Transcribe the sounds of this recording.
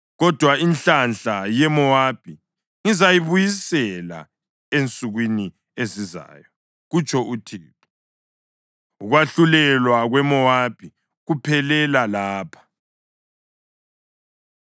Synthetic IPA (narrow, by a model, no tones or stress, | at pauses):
ɣɔd̥ʱwaint͡ɬanɬajɛmɔwab̥ʱi | ŋizajiβujisɛla̰ | ent͡sʼuɣwini | eziza̰ːjɔ | ɣut͡ʃʰʼɔʔutʰiːtɔ̥ | uɣwaɬulɛlwaɣwɛmɔwab̥ʱi | ɣupʰɛlɛlalaːpʰḁ